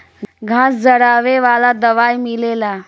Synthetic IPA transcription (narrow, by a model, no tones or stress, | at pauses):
ɡʱãsd͡zəɽaʋeʋalad̪əʋajmilela